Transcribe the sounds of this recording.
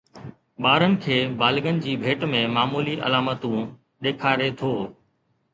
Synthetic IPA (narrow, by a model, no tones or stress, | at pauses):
ɓaːɾənɪ̆kʰeːbaːlɠən̆d͡ʑiːbʱeːʈmẽːmaːmuːliʔə̰laːmət̪ũ | ɗ̪eːkʰaːɾet̪ʰoː